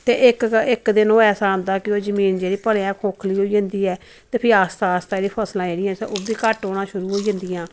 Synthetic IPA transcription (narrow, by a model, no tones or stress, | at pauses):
t̪eːʔɪkɪkd̪ɪnoːɛːsaːɦə̃nd̪aːkɪoːzəmiːnd͡ʒeːɽiːpəleãːkʰoːkʰliːɦoːiːd͡ʒə̃nd̪iːɛː | t̪eːpʰɪɾaːst̪aːst̪aːeːɽiːpʰəslãːd͡ʒeːɽɪãːsoːbiːkəʈoːɽãːʃʊɾuːɦoːiːd͡ʒə̃nd̪iːãː